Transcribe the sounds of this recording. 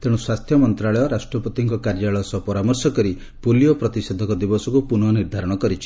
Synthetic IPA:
t̪eɽ̃uswast̪ʰjɔmɔnt̪ɾaɭɔjɔɾasʈɾɔpɔt̪iŋkɔkaɾd͡ʒaɭɔjɔsɔpɔɾamɔɾsɔkɔɾi | polijɔpɾɔt̪ised̪ʱɔkɔd̪ibɔsɔkupunɔniɾd̪ʱaɾɔɽ̃ɔkɔɾit͡ʃʰi̥

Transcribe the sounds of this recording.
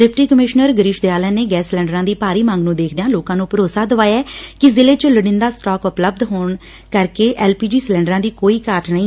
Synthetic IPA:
ɖɪːp̚ʰʈiːkəmɪʃnəɾɡəɾɪʃd̪ejaːlɛːneːɡɛːslɛ̃ːɳɖəɾãːd̪iːpaːɾiːmãːŋɡnũːd̪eːkʰd̪ejãːloːkãːnũːpəɾoːsaːd̪əʋaːjɛːkɪzɪleːt͡ʃoləɽɪ̃nd̪aːsʈɔːkʊpləb̚d̪ɦoːɳ | kəɾkeːʔɛːlpiːd͡ʒiːslɛ̃ːɳɖɾãːd̪iːkoːiːkaːʈnəɦĩː

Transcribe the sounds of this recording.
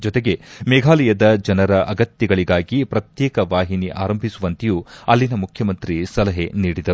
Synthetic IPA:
d͡ʒɔt̪eɡe̞mɛɡʱaːlɐjɐd̪ɐd͡ʒɐnɐɾɐʔɐɡɐt̪jɐɡɐɭiɡaːɡipɾɐt̪jɛːkɐʋaːɦiniʔa̰ːɾɐmbʱisuʋɐnt̪ejuːɐlːinɐmukʰjɐmɐnt̪ɾisɐlɐɦe̞niːɽid̪ɐɾu

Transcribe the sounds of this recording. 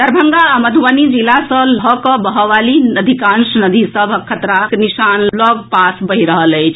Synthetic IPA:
d̪əɾbʱəŋɡaməd̪ʱuwənid͡ʒilasəlɦɔkəbəɦɔʋalinəd̪ʱikãnsnəd̪ʱisəbʱkʰət̪ɾaknisanlɔɡpasbəɦiɾəɦələt͡ʃʰ

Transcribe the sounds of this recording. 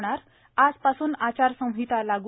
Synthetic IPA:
ɽ̃aɾ | ad͡zpasuːnat͡ɕaɾsə̃w̃ɦit̪alaɡ

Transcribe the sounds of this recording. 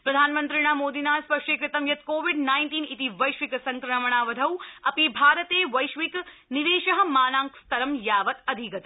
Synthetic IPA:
pɾɐd̪ʱaːnmɐnt̪ɾiɳaːmoːd̪inaːspɐʂʈeːkɾit̪ɐmjɐt̪koːʋiɖnaːjnʈiːnit̪iʋɐjʃʋiksɐŋkɾɐmɐɳ̃aːʋɐd̪ʱɐwɐpibʱaːɾɐt̪eːʋɐjʃʋik | niʋeːʃɐɦɐ̆maːnaːŋkst̪ɐɾɐmjaːʋɐt̪ɐd̪ʱikɐt̪

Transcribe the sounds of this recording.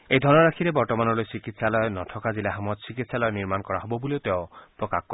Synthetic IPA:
ejd̪ʱɔnɔɾakʰiɾebɔɾt̪ɔmanɔlojsikit̪ʰsalɔenɔʈʰɔkazilaɦamɔd̪sikit̪ʰsalɔeniɾmankɔɾaɦɔbɔbuleot̪eõpɾɔkakkɔ

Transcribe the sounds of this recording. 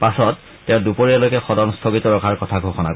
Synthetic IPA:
pasɔtː | ɛʊ̃dupoɹiɛlojkɛxɔdɔnstʰɔɡitɔɹɔkʰaɹkɔtʰaɡʱoxɔna̰

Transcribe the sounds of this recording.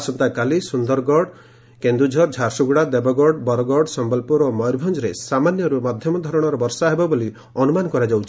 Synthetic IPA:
sɔnt̪akalisund̪ɔɾɡɔɽ | kend̪ud͡ʒʱɔɾd͡ʒʱaɾsuɡuɽad̪ebɔɡɔɽbɔɾɔɡɔɽsɔmbɔlpuɾɔmɔjɾbʱɔnd͡ʒɔɾesamanjɔɾumad̪ʱjɔmɔd̪ʱɔɾɔɽ̃ɔɾɔbɔɾsaɦebɔboli | ɔnumanɔkɔɾad͡ʒawt͡ʃʰi

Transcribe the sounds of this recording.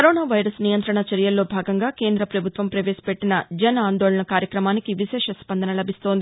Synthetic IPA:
kɐɾoːnaːʋɐjɾɐsnijɐnt̪ɾɐɳɐt͡ʃɐɾjɐlːo̞ːbʱaːɡɐŋɡaːke̞ːnd̪ɾɐpɾɐbʱut̪ʋɐmpɾɐʋeːspeʈːinɐd͡ʒɐnaːnd̪oːɭɐɳɐkaːɾjɐkɾɐmaːnikiʋiʃɛːʂɐspɐnd̪ɐnɐlɐbʱist̪o̞ːnd̪ii

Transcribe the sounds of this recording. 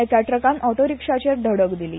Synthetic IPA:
ɛt͡saʈɾəkãnɔʈoɾikʂat͡ɕeɾɖ̪ʱəɽəkd̪ilḭː

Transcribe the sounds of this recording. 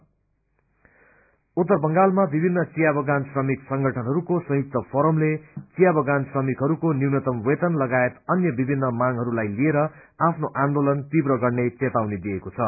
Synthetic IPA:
ut̪ːʌrbʌŋɡalmabibʱinːʌt͡sijabʱʌɡansrʌmiksʌŋɡʱʌʈʰʌnɦʌɾukosʌ̃ɦjuk̚t̪ʌpʰʌɾʌmlet͡sijabʱʌɡansrʌmikɦʌɾukoniwnʌt̪ʌmwet̪ʌnlʌɡaet̪ʌnjʌbibʱinːʌmaŋɦʌɾulajlieɾʌapʰnoʔand̪olʌnt̪ibrʌɡʌrnet͡set̪awned̪iekot͡sʰʌ

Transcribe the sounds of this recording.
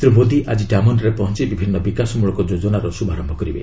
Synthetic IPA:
ɾumod̪iʔad͡ʒiɖamɔnɾepɔɦɔnt͡ʃibibʱinːɔbikasɔmuɭɔkɔd͡ʒod͡ʒɔnaɾɔsubaɾɔmbʱɔkɔɾibḛ

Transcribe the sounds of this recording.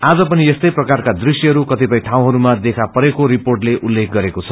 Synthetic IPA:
ad͡zʌpʌniest̪ʌjprʌkarkad̪risjʌɦʌɾukʌt̪ipʌj̃ʈʰaw̃ɦʌɾumad̪ekʰapʌɾekoɾiporʈleʔulːek̚ʰɡʌɾekot͡sʰʌ̥

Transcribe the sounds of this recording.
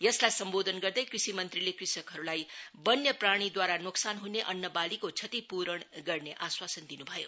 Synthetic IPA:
jʌslajsʌmbod̪ʱʌnɡʌrd̪ʌjkrisimʌnt̪rilekrisʌkɦʌɾulajbʌnjʌpraɽ̃id̪waɾanoksanɦuneʔʌnːʌbalikot͡sʰʌt̪ipuɾʌɳɡʌrneʔaswasʌnd̪inubʱʌjo̰

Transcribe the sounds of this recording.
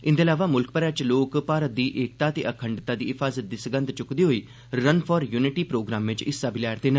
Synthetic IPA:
ɪnd̪eːlaːʋaːmʊlkpəɾɛːt͡ʃloːkpaːɾət̪̚d̪iːʔeːk̚t̪aːt̪eːʔəkʰəɳɖt̪aːd̪iːɪpʰaːzət̪̚d̪iːsəɡə̃nd̪t͡ʃʊkd̪iːɦoːiː | ɾənpʰɔːɾjuːnɪʈiːpɾoːɡɾaːmʋɪ̃t͡ʃɪ̰sːaːbɪlɛːɾt̪eːnə̃

